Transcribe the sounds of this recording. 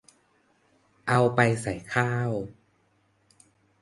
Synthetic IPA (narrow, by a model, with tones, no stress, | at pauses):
ʔa˧wpa˧jsa˨˩˦jkʰaː˥˩w